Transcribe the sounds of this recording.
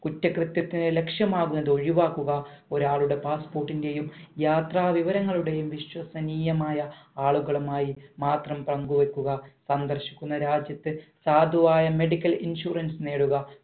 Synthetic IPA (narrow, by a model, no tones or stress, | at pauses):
kutːɐkrɨt̪jɐt̪ːinele̞kʂjɐmaːɣunːɐðɨo̞ɻiʋaːkːuɣɐo̞ɾaːɭuɽe̞paːspo̞ːrʈːinde̞jumjaːt̪raːʋiʋɐɾɐŋːɐɭuɽe̞jumʋiɕwɐsɐniːjɐmaːjɐaːɭuɣɐɭumaːjimaːt̪rɐmprɐŋɡuʋe̞kːuɣɐsɐnd̪ɐrɕi̥kʲːunːɐɾaːd͡ʑjɐt̪ːɨsaːd̪ʱuʋaːjɐme̞ɽikʲːɐlinɕuːrɐnsneːɽuɣɐ